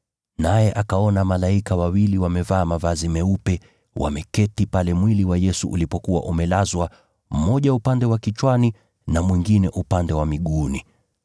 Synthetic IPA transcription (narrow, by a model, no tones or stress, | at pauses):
najɛʔakaɔnamalaikawawiliwamɛvaːmavazimɛupɛ | wʔa̰mɛkɛtipalɛmwiliwajɛsuʔulipɔkuwa̰ʔumɛlazwa | m̩mɔʄaupandɛwakit͡ʃwani | namwiŋɡinɛʔupandɛwamiɠuni